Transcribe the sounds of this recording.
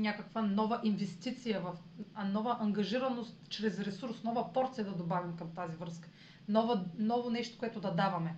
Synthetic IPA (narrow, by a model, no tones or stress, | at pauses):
nʲakəkvənɔvɐʔinvɛst̪it̪sijəvɐfɐnɔvɐʔɐŋɡɐʒiɾɐnost̪t͡ʃɾɛsɾɛsuɾsnɔvɐpɔɾt̪sijɐd̪ɐd̪obavimkɐmt̪azivɾɤskə̥ | nɔvənɔvonɛʃt̪o̥koʊɛt̪ʊd̪ɐd̪avɐmɛ